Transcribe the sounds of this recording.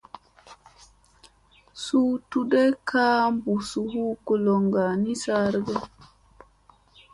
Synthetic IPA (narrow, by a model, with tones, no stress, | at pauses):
su˦tu˦dɛ˦kʰaː˦mbu˨su˨hu˦ku˨lɔ˨ŋɡa˨ni˦sa˦ɾɡa˦